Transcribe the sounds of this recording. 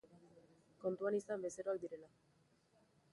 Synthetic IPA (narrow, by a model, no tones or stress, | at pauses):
ko̞nt̪uanisambe̞se̞ɾoak̚d̪iɾe̞la